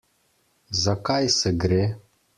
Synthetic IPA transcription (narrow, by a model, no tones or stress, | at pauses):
zakajseɡɾe